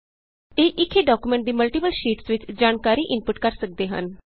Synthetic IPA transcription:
eːʔɪkʰːeːɖaːkuːmɛ̃ːɳʈ̚d̪iːməlʈiːpəlʃiːʈsʋɪt͡ʃd͡ʒaːnkaːɾiːʔɪnpʊʈkəɾsək̚d̪eːɦə̰n

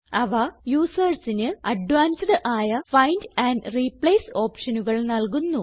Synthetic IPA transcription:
ɐʋɐjuːsɐrsinɨɐɖʋaːnsɖɨʔaːjɐfɐjndɐːndriplɐjso̞ːpʂɐnuɣɐɭnɐlkunːu

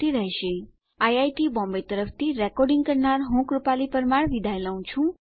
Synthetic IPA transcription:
iɾəɦʃe | ajajʈibɔ̃mbet̪əɾəft̪iɾɛkɔɾɖĩŋɡ̚kəɾnaɾɦũkɾupalipəɾmaɽʋid̪ʱaelaũt͡ʃʰũ

